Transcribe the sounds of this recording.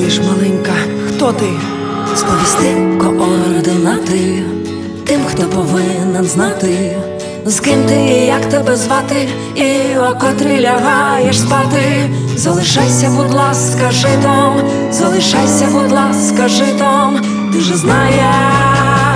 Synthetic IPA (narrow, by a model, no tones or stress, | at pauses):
iʃmɐlˠɛŋkɐ | xt̪ɔt̪ɪ | spɔʋʲisʲt̪ɪkɔʔɔɾd̪ɪnat̪ɪ | t̪ɪmxt̪ɔpɔʋɪnɛnznat̪ɪj | zkɪmt̪ɪjɐkt̪ɛbɛzʋat̪ɪ | iɔkɔt̪ɾʲɪlʲɐɦajɛʂspat̪ɪzɐlˠɪʃajsʲɐbʊd̪lˠaskɐʒɛt̪ɔm | zɐlˠɪʃajsʲɐbʊd̪lˠaskɐʒɛt̪ɔm | t̪ɪʒɛznajɛ